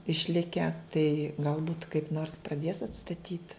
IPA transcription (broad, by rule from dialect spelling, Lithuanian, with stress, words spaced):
ɪʃʲˈlʲɪkʲɛ tɐɪ ɡɐlˠˈbuːt kɐɪp noːrs prɐˈdʲeːs ɐtstɐˈtʲiːt